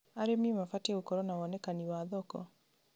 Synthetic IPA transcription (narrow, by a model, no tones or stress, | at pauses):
aɾemimafateokɔɾɔnawɔnɛkaniwaðɔkɔ̰